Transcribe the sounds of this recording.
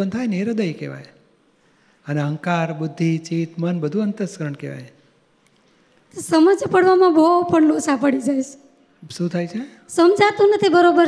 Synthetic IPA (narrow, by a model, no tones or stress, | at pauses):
ənt̪ʰajneɾəd̪əjkḛʋa̰j | əneɦəŋkaɾbud̪ʱːit͡ʃit̪mənbəd̪ʱuənt̪əskəɾəɳkeʋa̰j | t̪osəməd͡ʒpəɽʋamãbopəɳlosapəɽid͡ʒajt͡ʃe̥ | ʃũt̪ʰajt͡ʃʰe | səmd͡ʒʱat̪unət̪ʰibəɾobəɾ